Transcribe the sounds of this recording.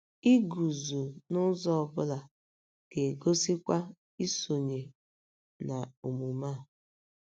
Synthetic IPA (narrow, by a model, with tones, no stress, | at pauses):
i˦ɡu˨zu˨nʊ˦zɔ˦˨bʊ˦la˨ | ɡ̥e˨ɡo˦si˦kʷa˦ | i˦so˨ɲe˨ | na˨u˨mu˨ma˦˨